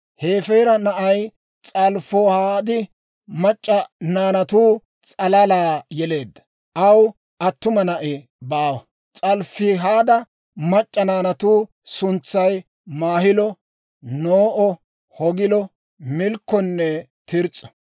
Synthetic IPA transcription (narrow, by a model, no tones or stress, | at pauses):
he̞ːfɛjɾɐnɐʔɐj | t͡sʼɐlfoːhaːd̪ɪ | mɐt͡ʃʼːɐnaːnɐt̪uː | t͡sʼɐlɐlaːjɛle̞ːd̪ːɐ̥ | ʔɐw | ʔɐt̪ːʊmɐnɐʔɪ | baːwɐ | t͡sʼɐlfɪɦaːd̪ɐ | mɐt͡ʃʼːɐnaːnɐt̪uː | sʊnt͡sːɐj | maːhɪlɔ | noːʔɔ | hɔɡɪlɔ | mɪlkːɔnːɛt̪ɪɾt͡sʼːɔ̥